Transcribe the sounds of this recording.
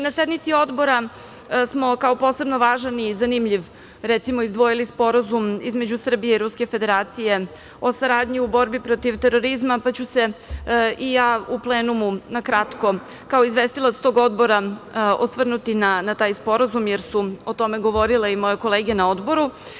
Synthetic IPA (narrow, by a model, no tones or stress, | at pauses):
nased̪mit̪sio̞d̪bo̞ɾa | smo̞kaopo̞sebno̞ʋaːʒanizanimʎiʋ | ɾɛt̪simo̞izd̪ʋo̞jilispo̞ɾazumizme̞d͡ʑusr̩bije̞iɾuske̞fed̪eɾaːt̪sije̞ | o̞saɾaːd̪ɲiubo̞ɾbipɾo̞t̪iʋt̪e̞ɾo̞ɾizmapat͡ɕuse̞ʔijaːuplˠeːnumunakɾat̪ko̞ | kao̞izʋest̪ilˠat̪st̪o̞ɡo̞d̪bo̞ɾaosʋr̩nut̪inanat̪aːjspo̞ɾazumjeɾsuot̪o̞me̞ɡo̞ʋo̞ɾileimo̞jeko̞leːɡenaod̪bo̞ɾu